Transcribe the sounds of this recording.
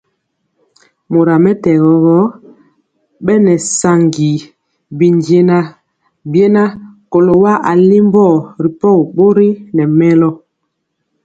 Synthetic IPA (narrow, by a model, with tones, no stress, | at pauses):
mo˨ɾa˨mɛ˦tɛ˨ɣɔ˨ɣɔ˦ | ɓɛ˦nɛ˨sa˨ŋɡi˨ | bi˨nd͡ʒe˦na˦ | bje˦na˦ko˨lo˨wa˦ʔa˨li˦m˦bɔ˦˨ɾi˨pɔ˦˨ɣɓo˦ɾi˦nɛ˨mɛ˦lɔ˦